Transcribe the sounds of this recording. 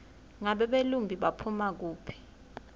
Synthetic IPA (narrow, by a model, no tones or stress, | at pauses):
ŋaɓɛɓelumbʱiɓapʰumak̬uːpʰi̥